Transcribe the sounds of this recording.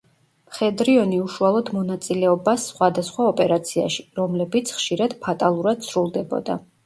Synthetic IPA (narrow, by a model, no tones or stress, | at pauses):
mχɛd̪ɾiɔniuʃualˠɔd̪mɔnat̪sʼilɛɔbasːχwad̪asχwaɔpʼɛɾat̪sʰia̰ʃiɾɔmlɛbit̪sʰχʃiɾad̪̥pʰat̪ʼalˠuɾad̪̥sʰɾulˠd̪ɛbɔ̰d̪a̰